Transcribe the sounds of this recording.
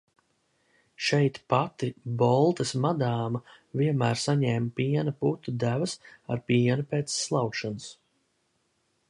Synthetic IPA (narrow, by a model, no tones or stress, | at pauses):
ʃɛjt̪pat̪ibɔlˠt̪ɐsmad̪aːma | viɛnmæːɾsaɲɛːmpiɛnɐput̪ud̪ævɐsa̰ɾpiɛnupeːt̪sːlˠawkʃanus